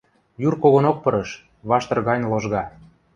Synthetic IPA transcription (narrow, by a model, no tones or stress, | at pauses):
jurkoɣonok̚pɤɾəʃ | βɑʃt̪ɤ̆rɣɑjnloʒɣɑ